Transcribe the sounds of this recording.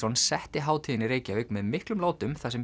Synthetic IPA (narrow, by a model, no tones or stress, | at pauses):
ɔnsɛht̪ɪɦaːwt̪ʰiːðɪnɪɾeːjcaʏknmɛðmɪhklʏmlaːwt̪ʏmθasɛm